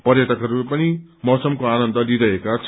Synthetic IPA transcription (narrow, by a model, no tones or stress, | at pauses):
pʌrjʌt̪ʌkɦʌɾuepʌnimʌsʌmkoanʌnd̪ʌdiɾʌɦekat͡sʰ